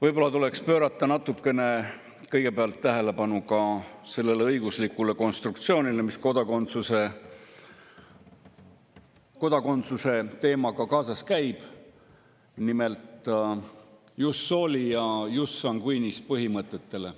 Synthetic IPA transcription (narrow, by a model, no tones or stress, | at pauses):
vɤjbo̞lːɑt̪ule̞kspø̞ːɾɑt̪ˑːɑnɑt̪ːˑukːˑe̞ne̞ | kɤjɡ̥e̞peɑlt̪ːæɦe̞le̞pɑnukɑse̞lːe̞leɤjɡ̥uslikːˑule̞ko̞nst̪ɾuk̚t̪sio̞ːnʲile̞misko̞d̪̥ɑkont̪suse | ko̞d̪̥ɑko̞nt̪suse̞t̪e̞ːmɑkɑkɑːsɑskæjb̥ | nime̞lt̪ | jusːo̞ːlʲijɑjusːɑŋkujnispɤɦimɤt̪ˑːe̞t̪ːe̞le̞